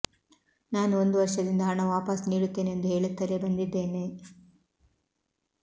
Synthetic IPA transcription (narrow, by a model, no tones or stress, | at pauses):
naːnuo̞nd̪uʋɐɾʂɐd̪ind̪ɐɦɐɳɐʋaːpɐsniːɽut̪ːe̞ːneend̪uɦe̞ːɭut̪ːɐle̞bɐnd̪id̪ːe̞ːne